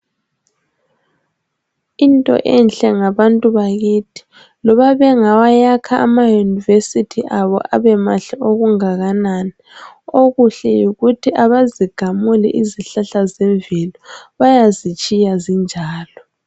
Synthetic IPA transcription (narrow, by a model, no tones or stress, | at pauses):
intʼɔ̰ʔɛnɬɛŋaβantʼuβaɣitʰi̥ | lɔβaβɛŋawajakʰaʔːmajunivesitʰiʔaβɔ̰ʔa̰βɛmaɬɛoɣuŋaɣanani | oɣuɬɛjuɣutʰiʔaβaziɡ̥ʱamulḭʔiziɬaɬazɛɱvʱilɔβajazit͡ʃʼijazind͡ʒʱaːlɔ